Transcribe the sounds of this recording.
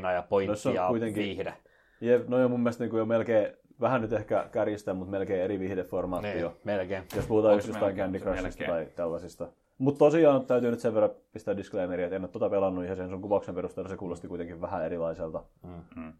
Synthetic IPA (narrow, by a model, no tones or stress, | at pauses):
nɑjɑponosːonuit̪eŋkiide | jepnoijomumːielst̪niːŋkujomelkeː | ʋæhænyt̪ehkæ̰kærjist̪emmut̪melkeːeɾiʋihdefformɑːt̪ːiomelkeːjospuhut̪ɑːyst̪josst̪ːɑiŋkændikrɑsist̪æt̪ɑit̪ælːɑsist̪ɑ | mut̪t̪osiɑːnt̪æyt̪yːnyt̪seʋerːɑpist̪æːdiskleimeɾiet̪enːot̪ːot̪ɑpelɑnːuihɑshensuŋkupɑuksemperust̪elːɑsekuːlost̪ikuit̪eŋkiʋʋæhæeɾilɑiselt̪ɑ